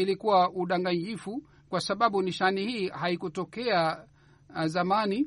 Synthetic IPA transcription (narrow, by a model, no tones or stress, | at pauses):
ilikuwaʔuɗaŋɡaɲd͡ʒifu | kwasaɓaɓuniʃanihiːhaikutɔkɛa | zamani